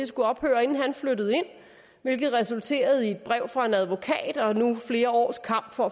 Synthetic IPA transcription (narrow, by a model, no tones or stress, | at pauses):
esɡ̥uɒ̽b̥hø̰ːɐe̝nn̩ɦænfløɾð̞̩ˠe̝n̰ | ʋe̝lɡ̥ð̩ˠʁɛsult͡sʰe̝̰ːɐð̞̩ˠie̝d̥̚b̥ʁɛʊ̰fʁɑ̈e̝næð̞ˠʋo̝kʰɛ̰ːd̥ɒ̽nufle̝ːɐɒ̰ːskʰɑ̈m̰b̥fɒ̽